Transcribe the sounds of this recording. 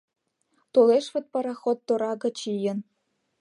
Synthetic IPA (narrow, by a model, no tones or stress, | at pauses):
t̪oleʃʋɤ̆t̪̚pɑɾɑxot̪ːoɾɑɡɤ̆t͡ɕijɤ̆n